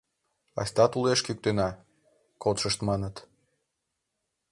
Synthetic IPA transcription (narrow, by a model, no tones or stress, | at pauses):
ɑ̰sʲt̪ɑt̪uleʃkyk̚t̪enɑ | kot̪ʃəʃt̪mɑnət̪